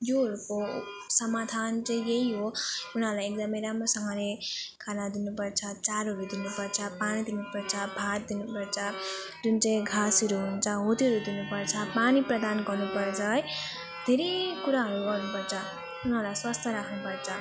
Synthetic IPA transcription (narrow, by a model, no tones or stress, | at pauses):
joɦʌɾuko | sʌmad̪ʱant͡sʌĩjeɦiɦounʌɾlajek̚d̪ʌmʌjɾamɾosʌŋɡʌ̃lekʰanad̪inupʌrt͡sʰʌt͡saɾʌɾud̪inupʌrt͡sʰʌpanid̪inupʌɾt͡sʰʌbʱat̪̚d̪inupʌɾt͡sʰʌ | d͡zunt͡sʌĩɡʱasʌɾuɦunt͡sʰʌɦot̪iɦʌɾud̪inupʌrt͡sʰʌpaniprʌd̪anɡʌrnupʌrt͡sʰʌj | d̪ʱeɾekuɾaɦʌɾuɡʌrnupʌrt͡sʰʌ | unɦʌɾlajswast̪ʰʌɾakʰnupʌrt͡sʰʌ